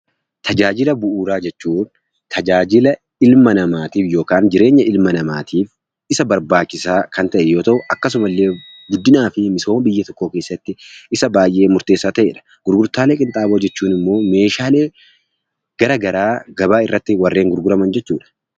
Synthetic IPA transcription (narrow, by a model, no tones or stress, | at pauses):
t̪ʰɐd͡ʒaːd͡ʒɪlɐbʊʔuːɾaːd͡ʒɛt͡ʃːuːn | t̪ʰɐd͡ʒaːd͡ʒɪlɐ | ɪlmɐnɐmaːt̪iːfjo̞ːkaːnd͡ʒɪɾe̞ːɲːɐʔɪlmɐnɐma̰ːt̪ʰiːf | ɪsɐbɐɾbaːt͡ʃːɪsaːkɐnt̪ɐʔɛjo̞ːt̪ɐʔʊʔɐkːɐs̬ʊmɐlːeːɡʊd̪ːɪnaːfɪmɪso̞ːmɐbɪjːɐt̪ɔkːo̞ːke̞ːsːɐt̪ːɪɪsɐbaːjʔe̞ːmʊɾt̪e̞ːsːaːt̪ɐʔe̞ːᶑɐ̥ | ɡ̥ʊɾɡʊɾt̪aːleːkʼɪnt̪ʼaːboːd͡ʒɛt͡ʃːuːnɪmːo̞ːme̞ːʃaːle̞ː | ɡ̥ɐɾɐɡɐɾaːɡɐbaːɪrːɐt̪ːɪwɐrːe̞ːŋɡʊɾɡʊɾɐmɐnd͡ʒɛt͡ʃːuːᶑɐ̥